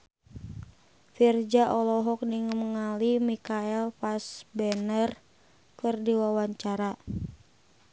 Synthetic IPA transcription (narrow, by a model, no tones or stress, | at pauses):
fird͡ʒaʔɔlɔɦɔk̚niŋəməŋalimikaɛlfasbɛnər | kɨrdiwawaɲt͡ʃaɾa